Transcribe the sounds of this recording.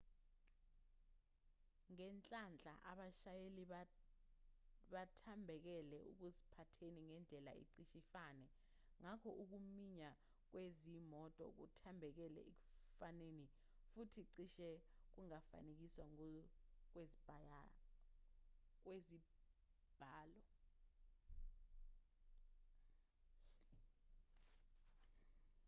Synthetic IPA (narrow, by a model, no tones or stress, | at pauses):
ŋɛnt͡ɬʼand͡ɮʱa̰ʔa̰ɓaʃajeliɓ | ɓatʰambʱɛk̬ɛlɛuk̬uzipʰatʰeniŋɛnd͡ɮʱɛla̰ḭǀiʃifanɛ | ŋakʰɔʔuk̬umiɲa | k̬wezimɔtʼɔ̰k̬utʰambʱɛk̬ɛlɛ̰ʔek̬u̥faneni | futʰiǀiʃɛk̬uŋafa̰nek̬iswaŋ | k̬wezib̥ʱaja | k̬wezi | b̥ʱaːlɔ